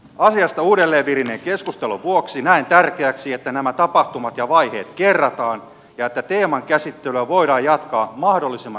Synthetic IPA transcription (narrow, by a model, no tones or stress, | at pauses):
ɑsiɑst̪ɑuːdelːe̞ːʋʋirineŋke̞skust̪eluʋuoksinæint̪ærkeæksiet̪ːænæmæt̪ɑpɑht̪umɑt̪jɑʋɑihe̞̰ːt̪kerːɑt̪ɑːn | jɑet̪ːæt̪e̞ːmɑŋkæsit̪ːelyøʋo̞iɾɑːjjɑt̪kɑːmɑhdo̞lːisemːɑ